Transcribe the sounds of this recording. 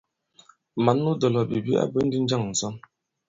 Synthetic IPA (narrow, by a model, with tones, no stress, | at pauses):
ma˨˦nː˦u˦dɔ˨lɔ˨bi˨bi˦a̰˦bə˦n̩˦di˦n̩˦d͡ʒa˦˨ŋn̩˨sɔ˦n